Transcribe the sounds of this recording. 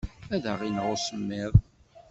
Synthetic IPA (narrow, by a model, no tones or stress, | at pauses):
æðəʁinʁʊsəmːɪðˤ